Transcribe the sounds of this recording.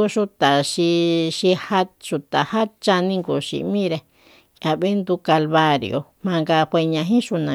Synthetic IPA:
u˧ʃu˧t̪a˨ʃi˧ʃi˧ha˦ʃu˧t̪a˨ha˦t͡ʃa˧nĩ˧ŋɡo˨ʃḭ˨mĩ˦ɾe˧ | ka˨βe˦nd̪u˧ka˧lβa˧ɾḭ˧o̰˧mã˧ŋɡa˧hʷe˧ɲã˧ɦĩ˦ʃu˧nã˨

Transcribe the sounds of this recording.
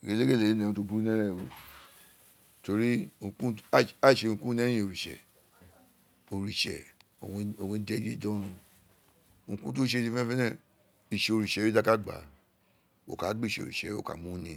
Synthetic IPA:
ɡe˨le˦ɡe˦˨le˨e˦nẽ˨ũ˦to˧bu˦u˦nɛ˦ɾɛ˦˨wo˧ | to˧ɾi˦ũ˨kũ˦a˦˨ʃe˧˨ũ˨kũ˦nɛ˦ĩ˨o˨ɾi˨ʃɛ̰˨ | o˨ɾi˨ʃɛ̰˨ | o˨wo˨wẽ˧˦de˦d͡ʒi˦dɔ̃˦nũ˧˦ | ŋ̩ũ˨kũ˦to˦ʃe˧˨di˧fɛ̃˦fɛ˦nɛ˦˨ | i˨ʃe˨o˨ɾi˨ʃɛ˨˦o˦da˦ka˦ɡ͡ba̰˨ | o̰˨ka˨˦ɡ͡be˦˨ʃe˨o̰˨ɾḭ˨ʃɛ˨˦o̰˦˨ka̰˨mũ˦nĩ˨

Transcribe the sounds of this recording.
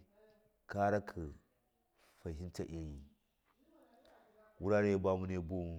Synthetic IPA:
ka˦ɾa˦kʰə˨ | fa˨ɦi˦nta˨ʔe˦ji˦ | wu˦ɾa˦ɾe˦je˦ba˦mu˦ne˦bu˦˨

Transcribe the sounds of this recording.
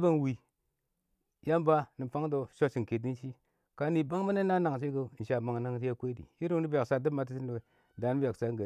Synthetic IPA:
ba˦ŋwi˨ | ja˦mba˦ni˨fa˦ŋdo˨ʃo˦ʃi˨ŋ˨ke˨di˦n˦ʃi˦ | ka˦ni˨ba˦ŋba˦ne˦na˦na˨ŋ˨t͡ʃi˦ɡə˦˨n̩˨ʃa˨ma˨ŋ˨na˦ŋti˦ja˦kʷe˦dḭ˨i˦ɾu˦i˦bja˨ksa˦di˦ma˨t̬i˦si˦n˨we˨˦ | da˨n˦ba˨ksa˦ŋɡa˨

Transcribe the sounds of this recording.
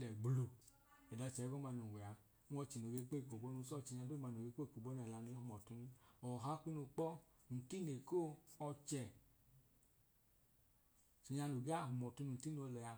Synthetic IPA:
lɛ˨ɡ͡blu˧ | ɛ˨da˨˧˨t͡ʃɛ˨˦ɡɔ˦ma˧˨nu˨wʷɛ˨a˧˦ | ɔ˧t͡ʃi˨no˨ɡe˧˦k͡pe˦˨ko˨bo˦nu˧˦sɔ˦˨t͡ʃi˧˨ɲa˧˨do˦ma˨˧n˨o˨ɡe˧˦k͡pe˦˨ko˨bo˦n˧ɛ˨la˧nu˧i˦hu˨mɔ˨tu˧nu˧ɔ˨ɦa˦kʷi˦nu˧k͡pɔ˦ | n̩˨ti˦ne˨ko˦˨ɔ˧t͡ʃɛ˨ | i˨ɲa˧nu˨ɡa˦˨ɦu˨mɔ˨tu˧nu˧n̩˨ti˦no˧lɛ˨a˧

